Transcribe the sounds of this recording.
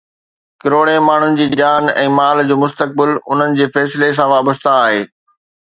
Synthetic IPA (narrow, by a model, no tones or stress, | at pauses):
kɪɾoːɽemaːɳ̤ʊnɪ̆d͡ʑiːd͡ʑaːnɛ̰̃ːmaːld͡ʑoːmʊst̪ək̚bɪlʊ̰n̤ənɪ̆d͡ʑeːfɛːsɪles̬ãʋaːbəst̪aːɦeː